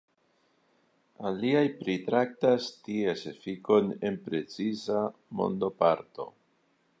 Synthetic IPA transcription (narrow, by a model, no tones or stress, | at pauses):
aliajpɾitɾak̚tastiesefiko̞ne̞npɾe̞t͡sizamo̞̰nd̪o̞paɾto̞̰